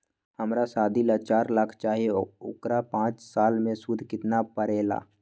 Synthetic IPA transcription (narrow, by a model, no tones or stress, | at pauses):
həmɾasaːd̪ʱilat͡ʃaːɾlakʰt͡ʃaːɦieʊ̰kɾapãːt͡ʃsaːlmẽsud̪ʱkɪt̪napəɾeːla̰ː